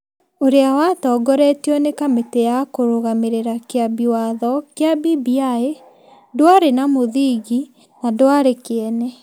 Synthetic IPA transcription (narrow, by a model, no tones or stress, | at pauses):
oɾeawatɔːɡɔɾɛtiɔnekametejakoɾoɣameɾeɾakeabiwaðɔkeabibiae | dwaɾenamoðiɣi | nadowaɾekeɛnɛ